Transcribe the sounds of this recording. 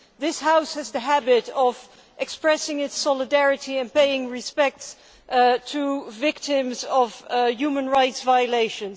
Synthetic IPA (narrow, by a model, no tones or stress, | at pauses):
ðɪshaʊshɨzðɨɦæbɪɾʌv | ʔɨkspɹɛsɪ̃ŋɨtsɑlˠədɛɹɨɾiɨ̃npeɪɪ̃ŋɹɨspɛk̚ts | tʰəvɪk̚tɪ̃mzʌvjʉmə̃nɹaɪtsvaɪəleɪʃɨ̃n